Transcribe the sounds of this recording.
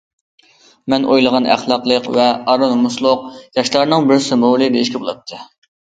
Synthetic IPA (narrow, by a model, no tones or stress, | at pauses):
mɛnʔojlˠəʁɑnæ̰χlˠɑqlˠəqvɛɑɾɑmmuslˠʊq̚jɑʃlˠɑɾnɨŋbɪɾsymɾolˠɨd̪eiʃkʲibolˠɑ̰t̪ʰːɨ